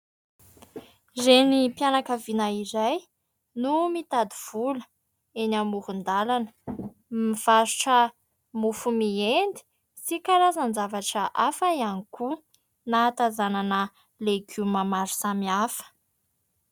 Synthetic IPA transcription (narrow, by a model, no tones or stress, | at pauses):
zenipijanakəvinaiɾaj | numit̪ad̪iv̥ulə̥ | enamuhund̪alanə̥ | miv̥aɾuʈ͡ʂə | mufumiend̪i̥ | sikaɾazanzavaʈ͡ʂəʔafaianiku | nat̪azananə | leɡumamaɾu̥samiafə̥